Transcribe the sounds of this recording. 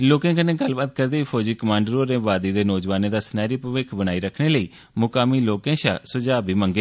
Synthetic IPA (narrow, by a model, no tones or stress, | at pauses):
loːkẽːkəneːɡəlbaːt̪̚kəɾd̪eːiːpʰoːd͡ʒiːkəmãːɳɖəɾoːɾeːʋaːd̪iːd̪eːnɔːd͡ʒʋaːnẽːd̪aːsənaːɾiːpəʋɪkʰbəñaːiːɾəkʰneːləiː | mʊkaːmiːloːkẽːʃa̰ːsʊd͡ʒaːbʱiːməŋɡeː